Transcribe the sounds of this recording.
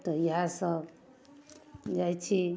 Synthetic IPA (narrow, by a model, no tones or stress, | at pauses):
t̪ʌjɦãsʌ | d͡ʒajt͡ʃʰi